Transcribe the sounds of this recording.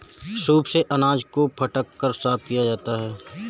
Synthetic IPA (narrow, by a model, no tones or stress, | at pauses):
ʃuːbseʔɐnaːd͡ʒkopʰɐʈəkːəɾsaːf̚kijad͡ʒaːt̪aɦɛː